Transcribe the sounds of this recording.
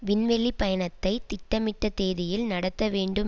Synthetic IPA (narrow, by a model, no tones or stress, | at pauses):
ʋɪnʋɛɭːipɐjɐnɐt̪ːɐɪt̪ɪʈːɐmɪʈːɐt̪eːðɪjɪlnɐɽɐt̪ːɐʋeːɳɖɯm